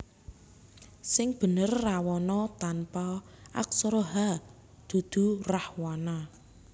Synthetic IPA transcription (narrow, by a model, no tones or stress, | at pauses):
sɪŋb̥ə̤nərːawɔnɔt̪anpaʔa̰k̚sɔɾoɦa | d̪̥ṳd̪̥ṳrahwana